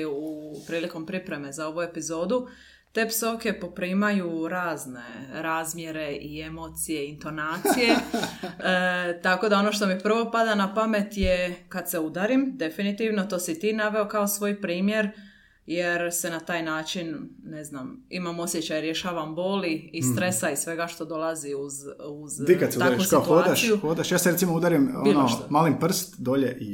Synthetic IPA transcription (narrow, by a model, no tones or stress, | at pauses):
uupɾiːliko̞mpɾipɾe̞me̞zao̞ʋue̞pizo̞ːd̪u | t̪e̞ːpso̞ke̞po̞pɾiːmajuɾaːzne̞̰ɾaːzmje̞ɾe̞ʔie̞mo̞ːt̪sije̞int̪o̞naːt̪sije | t̪ako̞d̪ao̞no̞ʃt̪o̞mipr̩ʋo̞pad̪anapame̞t̪jekad̪se̞ud̪aɾimd̪e̞finit̪iʋno̞t̪o̞ːsit̪iːnaʋe̞okaosʋo̞ːjpɾiːmje̞ɾ | jeɾsenat̪aːjnaːt͡ʃinne̞znamḭmamo̞sjet͡ɕajɾje̞ʃaːʋambo̞ːliːst̪ɾe̞saisʋe̞ɡaʃt̪o̞d̪o̞lˠaziuzuzikad̪seuaakuʃskaiot̪uoad̪asʃijuxod̪aʃjaːseɾesimoud̪aɾimoinomaːlimpr̩st̪d̪oʎeʔi